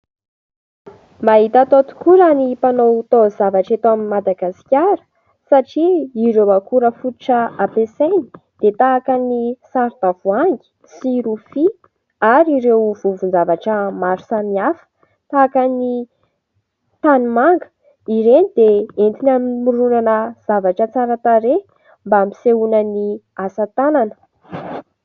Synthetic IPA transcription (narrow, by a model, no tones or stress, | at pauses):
maɦit̪at̪ot̪u̥kuɾanipanowt̪ozavaʈ͡ʂet̪oaminmad̪aɡasi̥kʲaɾə̥ | saʈ͡ʂiːɾewakuɾəfut̪u̥ʈ͡ʂəapesejni̥ | d̪̥et̪aːkanisaɾd̪avuaŋɡi̥ | siɾufi | aɾiɾewvuvund͡zavaʈ͡ʂəmaɾu̥samiafə̥ | t̪aːkəni | t̪animaŋɡə̥ | iɾenid̪eent̪inammuɾunanəz̥avaʈ͡ʂət͡saɾət̪aɾe | mbaambi̥seunəni | asat̪ananə̥